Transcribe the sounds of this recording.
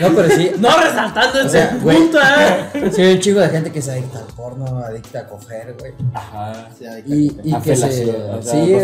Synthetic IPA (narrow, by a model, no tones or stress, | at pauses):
nope̞ɾosinoresalt̪and̪oeoseawet̪asiunt͡ʃiɣoðexent̪ekes̬aðik̚t̪alpoɾnoaðik̚t̪aːko̞xeɾɣwejaha | iːkeesi